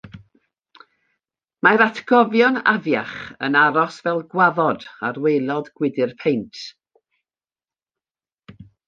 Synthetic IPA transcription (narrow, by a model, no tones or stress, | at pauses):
majɾatʰɡ̥ɔvjɔna̰vjaχə̰naɾɔsvɛlˠɡwaðɔdarwejlˠɔdɡ̥wɪdɪrpʰejntʰ